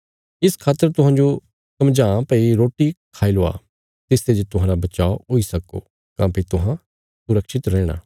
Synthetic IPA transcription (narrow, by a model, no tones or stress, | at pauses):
ɪskʰaːt̪ːəɾt̪ʊɦãːɲd͡ʒo | sɐmd͡ʒãːpəiɾoːʈikʰaːiloːa̰ː | t̪ɪst̪ed͡ʒt̪ʊɦãːɾabɐt͡ʃaːooːisɐko̰ː | kãːpit̪ʊɦã | sʊɾəkʃɪt̪ɾɛːɽ̃a̰ː